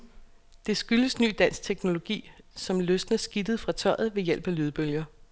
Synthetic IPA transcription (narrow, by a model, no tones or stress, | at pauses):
d̥e̝sɡ̥yləsny̰ːd̥æn̰st͡sʰeɡ̥no̝lo̝ɡ̥ḭːsɒ̽mløsd̥nəsɡ̥id̥əð̩ˠfʁɑ̈t͡sʰɒɪ̰ð̞̩ˠʋe̝jel̰b̥ælyːðˠb̥øljɐ